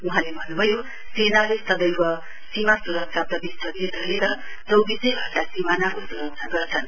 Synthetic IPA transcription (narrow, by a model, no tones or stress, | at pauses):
uɦãlebʱʌnːubʱʌjo | senalest̪ʌd̪ʌjkʌ | simasuɾʌk̚sap̚t̪ʌbist̪ʌd̪et̪ɾʌɦeɾʌ | t͡sʌwbisʌjbʱʌrt̪asimanakosuɾʌk̚nʰaɡʌɾt͡sʰʌn